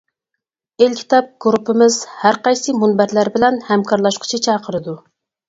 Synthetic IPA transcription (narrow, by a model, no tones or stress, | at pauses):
elkʲʰi̥t̪ɑp̚ɡ̥ɾupːɪmɪz̥hæɾqɑjsɨmunbæɾlæɾbɪlɛnhɛmkʰɑɾlˠɑʃqʰʊ̥t͡ʃʰit͡ʃʰɑːqʰəɾɨd̪u